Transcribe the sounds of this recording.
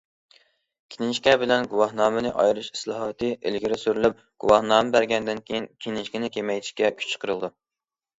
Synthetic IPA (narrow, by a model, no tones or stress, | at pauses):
kʲʰinɪnʃkʲɛbɪlɛnɡuwɑhnɑːmɨnɨʔɑ̰jɾɨʃi̥slˠɑɦɑt̪ʰɨʔḛlɡʲiɾɪsyɾylyp̚ | ɡ̥ṵwɑhnɑːmɨbæɾɡʲɛnd̪ɪnkʲejinkʲʰinɪnʃkʲɪnɪkʲʰemɛjt̪ʰi̥ʃkʲɛkʲʰy̥t͡ʃʰqʰəɾɨlˠd̪u